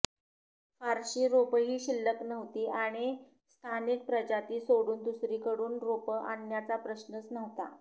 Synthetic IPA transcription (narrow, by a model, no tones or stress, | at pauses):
faɾɕiːɾopɦiːɕilːəknəʋt̪iːʔaɽ̃i | st̪ʰanik̚pɾəd͡ʑat̪iːsoɽuːnd̪usɾiːkəɽuːnɾopəa̰njat͡sapɾəɕnət͡snəʋt̪a̰